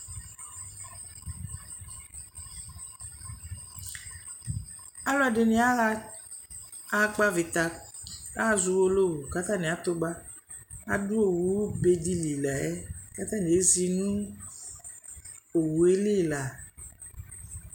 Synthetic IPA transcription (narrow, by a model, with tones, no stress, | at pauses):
a˦lɔ˦ɛ˨ɖe˨ne˦a˦la˦ | a˦k͡pa˦vi˨t̪a˨a˦zu˨wo˦lo˦wu˨ka˦t̪a˦nẽ˨a˨t̪o˦ɡ͡ba˦ | a̰˨du˦o˨wu˨˦wbe˨di˦li˨la˨ɛ˦ka˦t̪a˦n˨e˨˦zi˦nũ˦ | o˨wu˨e˦le˦˨la˨